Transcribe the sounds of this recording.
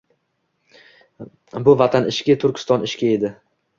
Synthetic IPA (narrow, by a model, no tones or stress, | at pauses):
bʊvat̪ʰanɪʃkʲɪt̪ʰʊɾkʲɪ̥st̪ɒnɪʃkʲae̞d̪ɪ